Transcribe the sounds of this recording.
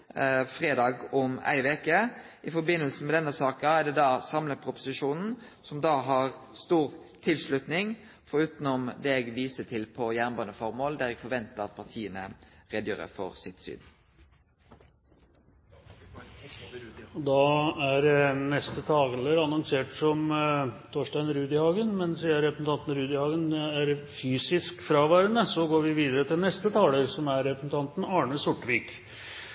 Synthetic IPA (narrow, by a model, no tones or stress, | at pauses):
fʁeːd̪ɑːɡɔmæ̰ɪʋekə | ɪfɔbɪnəlsn̩mɛd̪ɛnːəsɑːkəæɖ̪ɛd̪ɑːsɑmlət̪pʰɾʊpʊ̥sɪʃuːnn̩ | sɔmd̪ɑːɦɑʁst̪uːʁt̪ʰɪlslʉt̪nɪŋ | fɔɾʉːt̪nɔmd̪ɛɛɡʋiːsət̪ʰɪlpʰɔjæːʁnbɑːnəfɔʁmoːld̪æɾɛɡ̥fɔʋɛnt̪əʁɑt̪̚pʰɑt̪ʰiːənə̰ʁeːd̪jøːʁə̰fo̰ːʁsɪt̪sy̰ːn | d̪ɑːæɾnɛst̪ət̪ʰɑːɡəɛləɾɑnɔŋseːʈsɔmt̪ʰoːʂʈæɪnɾʉːd̪ɪhɑːɡənmɛnsiːəɾɛpɾəsn̩t̪ɑnt̪n̩ɾʉːd̪ɪhɑːɡənæɾfyːsɪskfɾɑːʋæːɾənəsɔɡoːɾʋɪʋiːd̪əɾət̪ʰɪlnɛst̪ət̪ʰɑːləɾsɔmæɾɾɛpɾəsn̩t̪ʰɑnt̪n̩ɑːɳəsʊʈːʋiːk